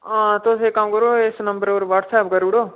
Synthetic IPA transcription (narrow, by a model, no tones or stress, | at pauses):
ãːt̪osekamkəɾoːesnəmbəɾoːɾʋaːʈsɛːpkəɾuɽoː